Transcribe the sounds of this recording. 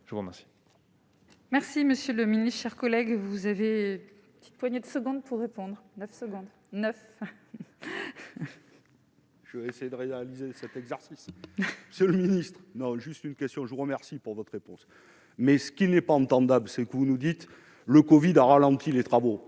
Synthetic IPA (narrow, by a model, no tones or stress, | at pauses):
ʒ̥əvuʁəmɛʁsi̥ | mɛʁsiməsjøləminist̪ʃɛʁkɔlɛɡvuzavep | pət̪i̥t̪̚pwaɲed̪əsəɡɔ̃d̪̚puʁːepɔ̃d̪ʁnœfsəɡɔ̃d̪ | nœf | ʒ̥əvesejed̪əʁealizesɛt̪ɛɡzɛʁsisməsjələminist̪χnɔ̃ʒyst̪ynkʲɛst̪jɔ̃ʒəvuʁəmɛʁsipuʁvɔt̪χʁepɔ̰̃s | mɛsə̥kʲinɛpaɑ̃t̪ɑ̃d̪ablsɛkəvunud̪it̪ | ləkɔvid̪aʁalɑ̃t̪ʰilet̪χavo